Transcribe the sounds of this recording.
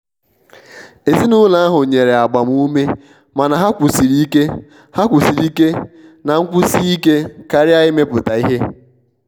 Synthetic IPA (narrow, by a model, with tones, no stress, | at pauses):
e˨zi˦nʊ˦la˦a˦ɦʊ˨ɲe˨ɾe˨a˨ɡ͡ba˨m˦u˦me˦ | ma˨na˨ɦa˦kʷu˨si˨ɾi˦ke˦ | ha˦kʷu˨si˨ɾi˦ke˦na˨ŋ̩˦kʷʊ˦si˦i˦ke˦ka˨ɾɪ˦a˦ɪ˦me˦pʊ˨ta˨i˦ɦe˦